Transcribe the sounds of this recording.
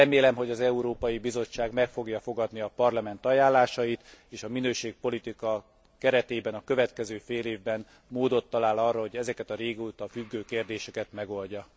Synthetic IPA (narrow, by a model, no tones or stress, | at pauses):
ɛmeːlɛmɦo̞ɟɒzɛuɾoːpɒjibizo̞t͡ʃːaːɡmɛkfo̞ɡjɒfo̞ɡɒd̪niɒpɒrlɒmɛnt̪ɒjaːlːaːʃɒjit̪eːʃɒminøːʃeːk̚po̞lit̪ikɒ | kɛɾɛt̪eːbɛnɒkøvɛt̪kɛzøːfeːleːvbɛn | moːd̪o̞t̪ːɒlaːlɒrːɒɦo̞ɟɛzɛkɛt̪ɒɾeːɡuːt̪ɒfyɡːøːkeːrd̪eːʃɛkɛt̪mɛɡo̞lɟɒ